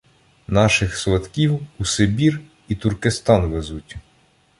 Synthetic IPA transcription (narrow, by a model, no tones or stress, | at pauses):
nɑʃɪxsʋɐt̪kʲiwusebʲir | it̪urkest̪ɑnʋezutʲ